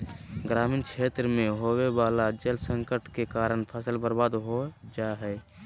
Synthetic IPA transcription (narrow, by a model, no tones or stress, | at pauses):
ɡɾaːmiːnkʰeːt̪ɾəmẽɦowebaːlad͡ʒelsə̃ŋkəʈkekaːɾəɳpʰəsəlbəɾbaːd̪ɦod͡ʒaɦɛː